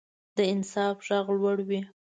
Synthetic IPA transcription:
d̪əɪnsɑfʒaɣlwaɽwi

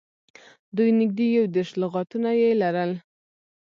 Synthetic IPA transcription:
d̪ujnɪɡ̚d̪ejawd̪eɾʃlʊɣɑt̪unajelaɾəl

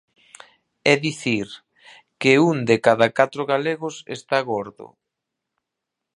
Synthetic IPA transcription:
ɛðiθiɾ | keund̪ekaðakat̪ɾʊɣaleɣʊsḛst̪aɣoɾðʊ̰

